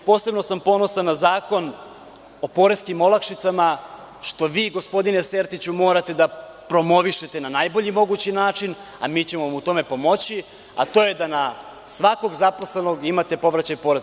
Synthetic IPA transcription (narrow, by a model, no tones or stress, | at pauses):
po̞ːsebno̞sampo̞no̞sanːazaːko̞n | o̞po̞ɾe̞skimo̞lakʃit̪sama | ʃt̪o̞ʋiːɡo̞spo̞d̪inese̞ɾt̪it͡ɕumo̞ːɾat̪e̞d̪a | pɾo̞mo̞ʋiʃe̞t̪enanajbo̞ʎimo̞ɡut͡ɕinaːt͡ʂin | a̰miːt͡ɕe̞moamut̪o̞me̞po̞mo̞t͡ɕi | a̰t̪o̞ːjed̪ana | sʋako̞ɡzaposle̞no̞ɡimat̪e̞po̞ʋɾat͡ɕajpo̞ːɾez